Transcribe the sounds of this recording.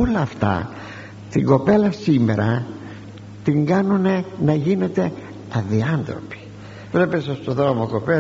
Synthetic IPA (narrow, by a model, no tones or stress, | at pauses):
olɐːft̪ɐ̰ | t̪iŋɡo̞pe̞lɐsime̞ɾɐ | t̪iŋɡɐnune̞nɐʝine̞t̪e̞ | ɐðiɐnθɾo̞pi̥ | vle̞pesost̪oðɾo̞moko̞pe